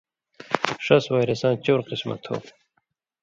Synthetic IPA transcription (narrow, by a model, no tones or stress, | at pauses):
ʂɐswaːjɾesãːt͡ɕoːɾqismɐ̰t̪ʰho̰ː